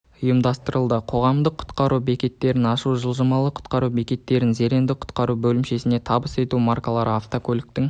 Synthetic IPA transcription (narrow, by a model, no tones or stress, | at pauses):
ʊjəmd̪ɑst̪əɾəlˠd̪əqʰo̞ʁɑmd̪əqʰːʊ̥t̪qɑɾʔube̞kʲe̞t̪ːe̞ɾɪnɑʃuʒəlˠʒəmɑlˠəqʰʊ̥t̪qɑɾubekʲe̞t̪ːe̞ɾɪnze̞ɾe̞nd̪ɪqʰʊ̥t̪qɑɾubɵlɪmʃe̞sɪne̞t̪ʰɑbəse̞t̪umarkalˠɑɾəaft̪okʰʲɵlʲɪk̚t̪ɪŋ